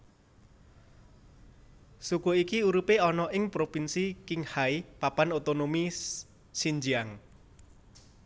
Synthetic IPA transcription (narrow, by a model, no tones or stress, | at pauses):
sukoikiuɾupeɔnɔʔɪŋpɾopinsikɪŋhaipapanot̪onomi | siɲd͡ʒiaŋ